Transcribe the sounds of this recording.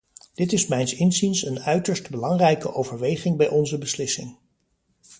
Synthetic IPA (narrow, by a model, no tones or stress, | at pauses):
d̥ɪtɪsmɛjnsɪnzinsənœɥtəɹstbəlɑŋrɛjkəʔowvəɹʋejχɪŋbɛjʔɔnzəbəslɪsɪ̰ŋ